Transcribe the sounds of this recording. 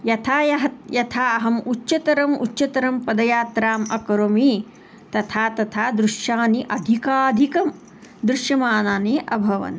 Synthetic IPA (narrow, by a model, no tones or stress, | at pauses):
jɐt̪ʰaːjɐɦɐjɐt̪ʰaːɐɦɐmutːʃɐt̪ɐɾɐmṵtːʃɐt̪ɐɾɐmpɐd̪ɐjaːt̪ɾaːmɐkɐɾomi | t̪ɐt̪ʰaːt̪ɐt̪ʰaːd̪ɾuʃjaːniʔɐd̪ʱikaːd̪ʱikɐm | d̪ɾuʃjɐmaːnaːniʔɐbʱɐʋɐ̰n